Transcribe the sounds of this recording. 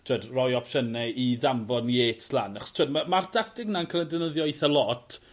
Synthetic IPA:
tʰwedrɔjɔpʰʃənɛiðamvɔneːtslˠa̰naχɔ̥stʰwedmamartʰak̚tɪɡnankʰalˠɛdɛnəðjɔjθəlˠɔtʰ

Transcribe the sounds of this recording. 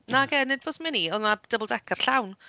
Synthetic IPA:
naɡɛnːɪd̚boːsmɪniɔnad̥əbəlˠdɛkʰər̥ɬawn

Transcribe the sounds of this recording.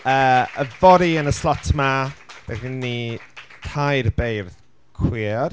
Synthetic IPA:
əːəvɔɾiənəslɔtʰmab̥ɛ̰ɪnːitʰajɾəbejrð | kʰwiɔd̥

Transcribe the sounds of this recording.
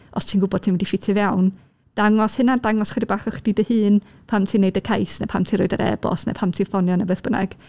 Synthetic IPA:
ɔ̰stʰiːnɡʊbɔd̥tʰiːnwɛdifɪtʰɪvjawn | d̥aŋɔshɨnadaŋɔsχɪdəbaːχɔχd̥idəhɨːn | pʰamtʰiːneɨdəkʰajsnɛ̰pʰamtʰinɾʊɨdə̰ɾʔɛ̰bɔ̰snɛ̰pʰamtʰiːnfɔnjɔnɛbəθb̥ənɛ̰ɡ̥

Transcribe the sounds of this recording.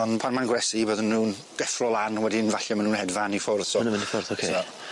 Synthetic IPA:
ɔnpʰanmanɡwɾɛsiboːðənːuːn | d̥ɛfrɔlˠanwɛdinvaɬɔmanuːnhɛdvanifʊrðsɔnəmɪnifʊrðokʰesɔ

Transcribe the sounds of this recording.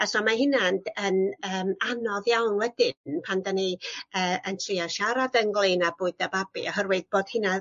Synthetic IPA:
asɔmaɦɪnandənəːmanɔðjawnwɛdɪnpʰandaniəːəntʰriaʃaɾadəŋɡlˠɨnabʊɨdababḭɔɦərwɛd̚b̥oːd̥hɨna

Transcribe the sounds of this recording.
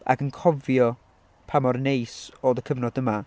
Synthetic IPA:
a̰ɡənkʰɔvjɔ | pʰamɔrnejsɔðəkʰəvnɔdəma

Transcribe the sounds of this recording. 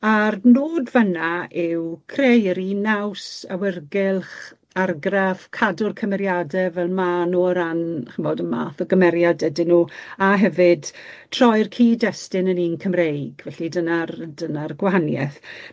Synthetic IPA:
arnoːdvənaʔɪwkʰrejəɾinawsawɪrɡɪlˠχ | arɡrafkʰadʊrkʰəmɛɾjadɛvɛlˠmanuːəɾanχəmɔdənma̰ːθəɡəmɛɾjadɛdɪnuːaɦɛvɨd̥tʰrɔjrkʰiːdɛstɪnəniːnkʰəmrejɡvɛɬidənardənarɡwaɦanjɛθ

